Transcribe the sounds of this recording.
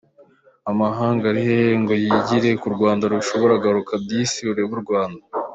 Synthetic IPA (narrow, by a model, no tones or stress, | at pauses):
amaɦaːŋɡaɾiheŋɡo̞jiɟiɾe̞kuɾɡwaːndaɾuʃo̞βo̞ɾaɡaɾukʰab̚ɟiːsiuɾe̞βuɾɡwaːnda